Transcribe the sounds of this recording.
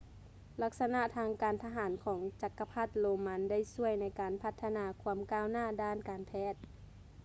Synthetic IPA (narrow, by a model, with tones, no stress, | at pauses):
la˧˩k̚sa˧na˧ʔt̪ʰaː˧ŋkaː˨nt̪ʰa˧ɦaː˩˦nkʰɔː˩˦ŋt͡ɕa˧kːa˧pʰa˧˥˩t̪̚loː˧ma˧˥nda˥˩˨jsu˧˩əjna˧˥jkaː˨˩npʰa˧˥t̪ʰːa˧naː˧kʰu˧˥əmkaː˧˩˨wnaː˥˩˨daː˥˩nkaː˨npʰɛː˧˥˩t̪̚